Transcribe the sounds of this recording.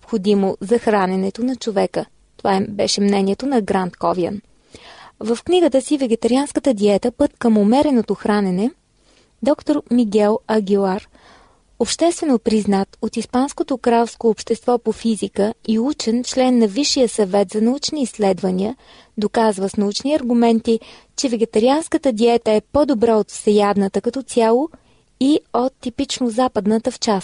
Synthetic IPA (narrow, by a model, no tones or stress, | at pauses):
opxod̪imozɐxɾanɛnɛt̪onɐt͡ʃovɛkə | t̪ovabɛʃɛmnɛniɛt̪onɐɡɾant̪kɔviə̰n | vəfkniɡət̪əsivɛɡɛt̪ɐɾianskət̪əd̪iɛt̪əpɤt̪kəmomɛɾɛnot̪oxɾanɛnɛ | d̪ɔkt̪oɾmiɡɛlˠɐɡʲilˠaɾ | opʃt̪ɛst̪vɛnopɾiznat̪ot̪ispanskot̪okɾalˠskoːpʃt̪ɛst̪vɔpofizikəiut͡ʃɛnt͡ʃlɛnːɐviʃijəsɐvɛt̪zɐnɐut͡ʃniːslɛd̪vɐniə | d̪okazvəsnɐut͡ʃniɐɾɡʊmɛnt̪i | t͡ʃɛvɛɡɛt̪ɐɾianskət̪əd̪iɛt̪əɛpɔd̪obɾaot̪fsɛjad̪nət̪əkɐt̪ɔsʲjalˠo | iot̪ːipit͡ʃnozapəd̪nət̪əft͡ʃast̪